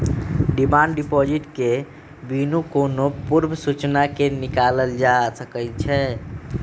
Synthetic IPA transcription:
ɖimaɳɖɖipɔd͡ʒiʈke | binukonopuɾbʱəsut͡ʃnakenikaləld͡ʒasəkəlt͡ʃʰɛ

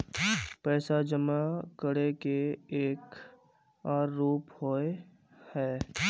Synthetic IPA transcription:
pɛːsad͡ʒəmakəɾekeeːk | aːɾːuːphoe | hɛː

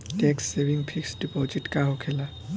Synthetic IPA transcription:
ʈɛksːebiŋpʰiksɖipɔd͡ʒiʈkaɦokʰɛla

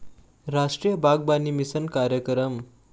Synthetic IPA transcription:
ɾaʂʈɾijəbaɡ̚banimisənkaɾjəkɾəm

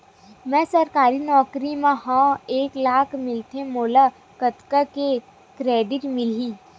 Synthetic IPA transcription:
mɛ̃ːsɐɾkaːɾinɔːkɾimẽɦãeːklaːkʰmɪlt̪emoːla | kɐt̪kake | kɾeːɖɪʈmɪliː

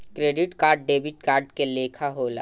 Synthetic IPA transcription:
kɾeːɖɪʈkaːɾɖ̚ɖeːbɪʈ̚kaːɾɖkeleːkʰaɦoːla̰ː

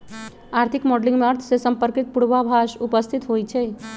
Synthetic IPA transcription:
aɾt̪ʰikmɔɖlĩŋɡmeəɾt̪ʰsesəmpəɾkit̪̚puɽʋabʱaʃupəst̪ʰit̪ɦojt͡ʃʰɛ

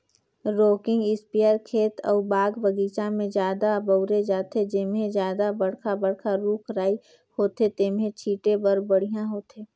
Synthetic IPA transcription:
ɾoːkɪ̃ŋɡɪspijaːɾkʰeːt̪ʰɔ̰ːbaːɡbəɡiːt͡ʃamẽd͡ʒjaːd̪abəʊɾed͡ʒaːt̪ed͡ʒɪmɦẽzjaːd̪abəɽ̤kʰabəɽkʰaɾuːkʰɾaːi | hoːt̪et̪eːmɦẽt͡ʃʰiːʈebɐɾbəɽ̤ijãɦoːt̪eː

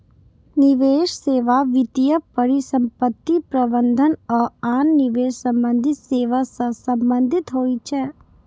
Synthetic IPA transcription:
nɪʋeːʃseːʋaʋɪt̪ijəpəɾɪsə̃mpət̪ːipɾɐbə̃nd̪ʱənɔːɾaːnːɪʋeːʃsɐ̃mbə̃nd̪ʱɪt̪seːʋasə̃sɐ̃mbə̃nd̪ʱɪt̪ɦoːit͡ʃʰɛː

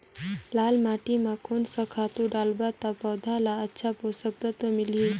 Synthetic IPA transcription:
laːlmaːʈimakonsakʰaːt̪uɖaːlbat̪apɐwd̪ʱalaətːʃʰaposək̚t̪ɐt̪əmɪlɦi

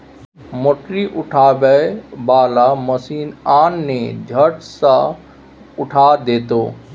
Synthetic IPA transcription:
moʈɾiʔʊʈʰaːbəbaːlaməsiːnaːnːed͡ʒʱəʈsã | ʊʈʰaːd̪eːt̪oː

